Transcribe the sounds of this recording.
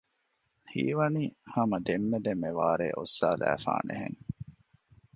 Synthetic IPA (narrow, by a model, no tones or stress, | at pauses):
hḭːʋɐniːhɐmɐd̪emːed̪emːeʋaːɾḛːʔosːaːlæ̰ːfa̰ːnḛɦeŋ